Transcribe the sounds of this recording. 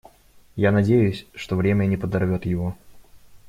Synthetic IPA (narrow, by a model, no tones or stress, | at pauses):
janɐdʲejʉsʲʂt̪ovɾʲemʲənʲɪpəd̪ɐrvʲo̞t̪jɪvo